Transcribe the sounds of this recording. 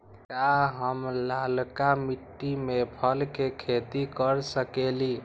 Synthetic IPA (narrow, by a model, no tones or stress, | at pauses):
kaɦəmlalkamiʈːimepʰəlkekʰet̪ikəɾsəkeli